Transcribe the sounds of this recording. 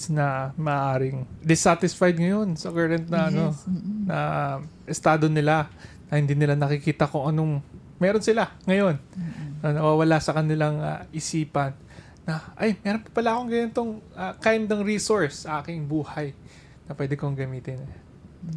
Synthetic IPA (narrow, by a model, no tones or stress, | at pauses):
nɐmɐʔːʔaːɾɪŋd̪ɪsat̪ɪsfajd̪ŋɐjo̞nsɐkɛɹɐnt̪̚nɐʔɐno̞nɐʔɪst̪aːd̪o̞nɪlanɐhɪnd̪inɪlanɐkɪkiːt̪ɐkʊŋʔɐno̞ŋ | mɛːɾo̞nsɪlaŋɐjo̞nːɐnɐwaːwɐlasɐkɐnɪlaŋa̰ʔɪsiːpɐnː | ɐʔɐjmɛːɾonpɐ̥pɐlaʔɐkoŋɡɐjɐnt̪oŋɐkajnd̪ɐŋɾiːsoɹsːɐʔaːkɪŋbuːhɐj | nɐpwɛːd̪ɛkoŋɡɐmiːt̪ɪnɛ